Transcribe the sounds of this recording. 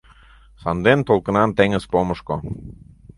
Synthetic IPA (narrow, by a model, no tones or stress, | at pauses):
sɑnd̪ent̪olˠkə̆nɑnt̪eŋəzpoməʃko